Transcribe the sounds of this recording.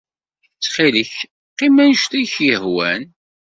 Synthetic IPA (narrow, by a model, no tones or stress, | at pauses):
t͡sːχiləç | qːimænʃt̪æçjəhwæn